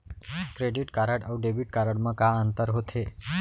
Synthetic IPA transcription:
kɾeɖiʈkaɾəɽawɖebiʈ̚kaɾəɽməkaənt̪əɾɦot̪ʰe

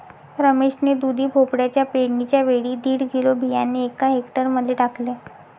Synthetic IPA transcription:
ɾəmeɕned̪ud̪ʱiːpʰopɽjat͡ɕjapeɽnit͡ɕjaʋeɽiːd̪iːɽɡilobʱijanːeekaɦekʈəɾməd̪ʱːjeʈakle

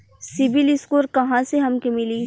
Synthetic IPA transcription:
sɪʋɪlɪskoːɾkɐɦãseɦɐmkemɪliː

